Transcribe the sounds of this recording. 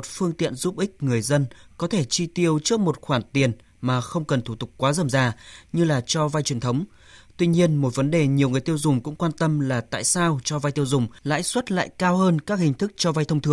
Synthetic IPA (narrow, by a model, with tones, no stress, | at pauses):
o˨˩t̚fɨ˧əŋt̪ḭ˧˨ənzu˦˥p̚ʔï˦˥k̟̚ŋɨ˨˩əjzə˧nkɔ˨˦t̪ʰe˧˩t͡ɕi˧t̪i˧əwt͡ɕɨ˦˥ək̚mo˨˩t̚xwaː˧˩nt̪i˨˩ən | maː˨˩xə˧wŋ͡mkə˨˩nt̪ʰu˧˩t̪ʊ˨˩k͡p̚kwaː˨˦zə˨˩mzaː˧ɲɨ˧laː˨˩t͡ɕɔ˧va˧jt͡ɕwi˨˩ənt̪ʰə˨˦wŋ͡m | t̪wi˧ɲi˧ənmo˨˩t̚və˨˦nɗe˨˩ɲi˨˩əwŋɨ˨˩əjt̪i˧ə˧wzʊ˨˩ŋ͡mkʊ̰˧˥ŋ͡mkwaː˧nt̪ə˧mlaː˨˩t̪a̰ː˧˨jsaː˧wt͡ɕɔ˧va˧jt̪i˧əwzʊ˨˩ŋ͡mla̰ː˧˥jswə˦˥t̚la̰ː˧˨jkaː˧wɦəː˧nkaː˦˥k̚hï˨˩ŋ̟t̪ʰɨ˦˥k̚t͡ɕɔ˧va˧jt̪ʰə˧wŋ͡mt̪ʰɨ˨˩ə˦